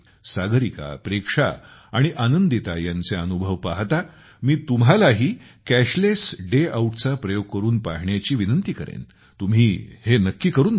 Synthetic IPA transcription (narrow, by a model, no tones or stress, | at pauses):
saɡɾika̰pɾekʂa̰aɽ̃iʔanənd̪it̪ajãnt͡seənubʱəʋpaɦt̪a | miːt̪umɦalaɦiː | kæɕlesɖeauʈt͡sapɾəjoɡ̚kəɾuːnpaɦɳjat͡ɕiːʋinənt̪iːkəɾḛn | t̪um̤iːhenəkːiːkəɾuːn